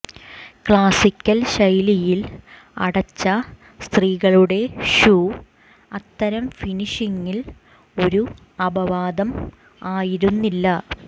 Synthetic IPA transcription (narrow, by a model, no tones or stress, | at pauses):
kɭaːsikʲːɐlɕɐjlijil | ɐ̰ɽɐt͡ɕːɐ | st̪riːɣɐɭuɽe̞ɕuː | ɐt̪ːɐɾɐmfiniʂiŋːil | o̞ɾu | ɐbɐʋaːd̪ɐm | aːjiɾunːilːɐ